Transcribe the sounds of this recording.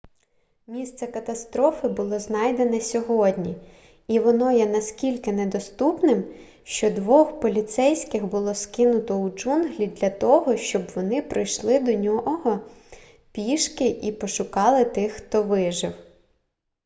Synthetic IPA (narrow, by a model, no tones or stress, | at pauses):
mʲist̪sɛkɐt̪ɐst̪ɾɔfɪbʊlˠɔznɑjd̪enɛsʲɔɦɔdʲnʲi | iʋɔnɔjɛnɐskʲilʲkɪnɛd̪ɔst̪upnɪm | ʃt͡ʃɔd̪ʋɔxpɔlʲit̪sɛjsʲkɪxbʊlˠɔskɪnʊt̪ɔud͡ʒunɦlʲid̪lʲɐt̪ɔɦɔʃt͡ʃɔbʋɔnɪpɾɪjʃlˠɪd̪ɔnʲɔɦɔ | pʲiʃkɪʔipɔʃʊkɑlˠɪt̪ɪxxt̪ɔʋɪʒɪw